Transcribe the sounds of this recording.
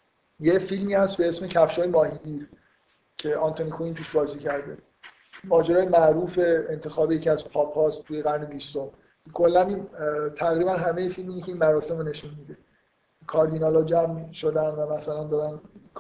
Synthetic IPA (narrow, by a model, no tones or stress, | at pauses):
jefilmiːhæst̪̚be̞esmecʰæfʃoːjemɒːhiɟiɾ | cʰe̞ʔɒnt̪ʰonikʰoiːnt̪ʰuːʃbɒːziːcʰæɾd̪e | mɒːd͡ʒeɾɒːjemæʔɾuːfe̞ːnt̪ʰe̞xɒːbejecʰiæzpʰɒːpʰhɒːstt̪ʰuːjeɣæɾne̞bist̪om | kʰo̞lːænint̪ʰæɣɾiːbænɦæmejefilmiːnecʰeiːnmæɾɒːse̞mone̞ʃunmid̪e̞ | kʰɒːɾd̪inɒlɒd͡ʒæmʃo̞d̪ænd̪væmæsælænd̪ɒːɾænk